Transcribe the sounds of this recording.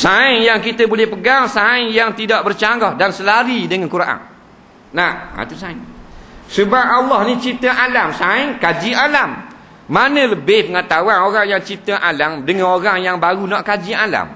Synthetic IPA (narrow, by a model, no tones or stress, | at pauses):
saɪŋjaŋkit̪əbulɛhpəɡaŋsaɪŋjaŋt̪idaʔ̚bərt͡ʃaŋɡɔhdansəlaɾidəŋankuɾaʔa̰n | naa̰t̪usaɪŋsəbap̚alːɑhnit͡ʃit̪əʔalamsaɪŋkad͡ʒialamː | anə̃ləbɪhpəŋat̪awanoɾaŋjaŋt͡ʃit̪əʔalamdəŋanoɾaŋjaŋbaɣunɔʔkad͡ʒiala̰m